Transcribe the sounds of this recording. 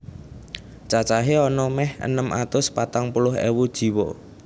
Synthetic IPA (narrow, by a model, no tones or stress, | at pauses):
t͡ʃat͡ʃaɦeɔnɔmɛhə̰nəmʔa̰t̪ʊspat̪aŋpulʊɦḛwud̥ʒ̥i̤wɔ̰